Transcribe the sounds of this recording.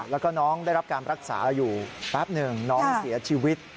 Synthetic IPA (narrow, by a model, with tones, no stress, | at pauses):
lɛː˦˥wkɔː˥˩nɔː˦˥ŋdaː˥˩jɾa˦˥p̚kaː˧nɾa˦˥k̚sa̰ː˩˦juː˨˩ɾɛː˦˥p̚nɯ˧˩ŋnɔː˦˥ŋsi˩˦ɐt͡ɕʰiː˧wi˦˥t̪̚